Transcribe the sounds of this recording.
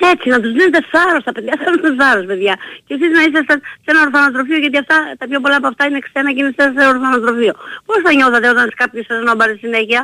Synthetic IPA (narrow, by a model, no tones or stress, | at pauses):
e̞t͡sinɐt̪uzðinet̪eθɐɾo̞st̪ɐpe̞ðjɐsɐnot̪esɐɾospe̞ðʝɐcesiznɐis̬est̪ɐssenɐoɾθɐnɐt̪ɾo̞fio̞ʝɐt̪iɐft̪ɐt̪ɐpço̞polɐːpoɐft̪ɐinekse̞nɐceinest̪ɐseoɾθɐnɐt̪ɾo̞fio̞po̞st̪ɐɲo̞θɐt̪e̞o̞t̪ɐnse̥kɐpçosesnobɐɾsisineçiɐ